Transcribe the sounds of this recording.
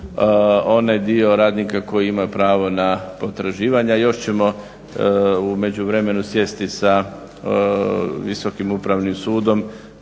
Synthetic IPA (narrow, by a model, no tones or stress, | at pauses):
o̞najd̪io̞ɾaːd̪nikako̞jiimajupɾaːʋo̞napo̞t̪ɾaʒiːʋaɲajo̞ʃt͡ɕe̞mo̞ | ume̞d͡ʑuʋɾe̞me̞nusje̞st̪isa | ʋiso̞kimupɾaʋnimsuːd̪o̞m